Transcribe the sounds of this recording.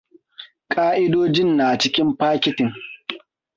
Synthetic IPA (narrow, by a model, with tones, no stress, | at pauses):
kʼaː˦ʔɪ˦doː˦d͡ʒɪ˦˨nːaː˨t͡ʃɪ˦kʲɪ˦mɸaː˦kʲɪ˦tɪ˨ŋ